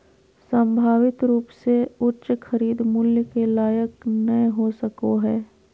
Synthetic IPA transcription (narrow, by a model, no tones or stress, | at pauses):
sə̃mbʱaːʋɪt̪ɾuːpseʊɾʃxʰəɾiːd̪mʊljəkelaːjəknəeɦosəkoɦɛː